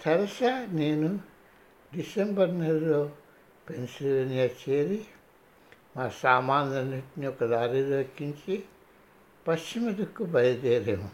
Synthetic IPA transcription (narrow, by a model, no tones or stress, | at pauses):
t̪ʰɐɾɐsɐneːnu | ɖisembɐɾneɾɐloː | pensilʋeːnijat͡ʃeːɾi | maːsaːmaːndɐniʈniɔkːɐd̪aːɾiloːkːiɲt͡ʃi | pɐst͡ʃimɐd̪ukːubɐjɐd̪eːɾeːmu